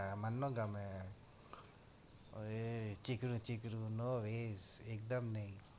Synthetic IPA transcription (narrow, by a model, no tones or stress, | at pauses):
mɐnːoɡɐme | et͡ʃikɾũt͡ʃikɾũnoːʋeːzeːk̚d̪ɐmnɐĩ